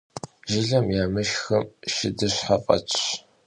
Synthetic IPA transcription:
ʒɪɮɐmjaːmɨʃxɐmʃɪdɨɕħaqʼɐ̰t͡ʃʼ

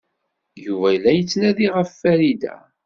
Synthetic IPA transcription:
juvæjəlːæjət͡sːnæðiʁəfːæɾid̪æ̰

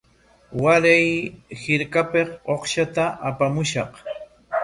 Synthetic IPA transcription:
waɾajhɪɾkapeχoχʃat̪aʔapamʊʃɑq

